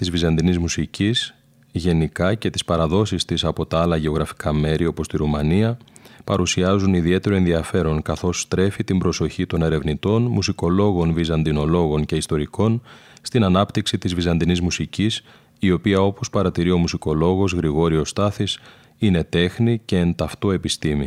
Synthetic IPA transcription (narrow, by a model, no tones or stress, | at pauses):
t̪izvizɐnd̪inizmusicis | ʝe̞nikɐce̞t̪i̥spɐɾɐðo̞sist̪isɐpo̞t̪ɐɐlɐʝe̞o̞ɣɾɐfi̥kɐme̞ɾio̞po̞st̪iɾumɐniɐpɐɾusiɐzuniðie̞t̪e̞ɾo̞e̞nðiɐfe̞ɾo̞ŋkɐθo̞st̪ɾe̞fit̪imbɾo̞so̞çit̪o̞ne̞ɾe̞vnit̪o̞nmusiko̞lo̞ɣo̞nvizɐnd̪ino̞lo̞ɣo̞ɲce̞ist̪o̞ɾiko̞nst̪inɐnɐpt̪iksit̪izvizɐnd̪inizmusicis | io̞piɐo̞po̞spɐɾɐt̪iɾio̞musiko̞lo̞ɣo̞zɣɾiɣo̞ɾio̞st̪ɐθis | ine̞t̪e̞xnice̞ːnt̪ɐft̪o̞e̞pist̪imi